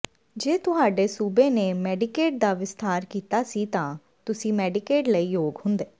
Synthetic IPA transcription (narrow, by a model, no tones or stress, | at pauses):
d͡ʒeːt̪ʊɦaːɖeːsuːbeːneːmɛːɖɪkeːʈ̚d̪aːʋɪst̪aːɾkiːt̪aːsiːt̪ãː | t̪ʊsĩːmɛːɖɪkeːʈləiːjoːɡhʊ̃nd̪eː